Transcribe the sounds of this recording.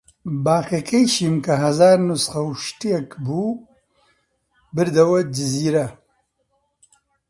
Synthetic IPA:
baːxekʰɐjʃiːmkɐɦɐzaːɾnusχɐwʃtijɛkbuː | bɨɾd̪ɐwɐd͡ʒɪziːɾɐ

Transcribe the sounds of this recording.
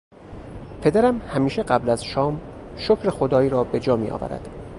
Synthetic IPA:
pʰe̞d̪æɾæmhæmiːʃe̞ɢæblæz̥ʃɒːm | ʃocʰɾe̞xod̪ɒːiːɾɒːbe̞d͡ʒɒːmḭːʔɒ̰ːvæ̰ɾæ̰d̪̥

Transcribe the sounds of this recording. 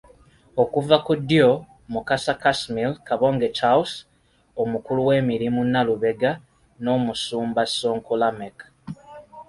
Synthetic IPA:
o̞kuvakudːjo | mukasakasmilkaβo̞ːŋɡet͡ʃaws | omukuluwe̞ːmiɾimunːaluβe̞ɡa | no̞ːmusuːmbaso̞ːŋkulameka

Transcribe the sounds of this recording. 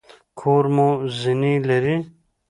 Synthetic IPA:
kʰoːɾmozinilɐɾi

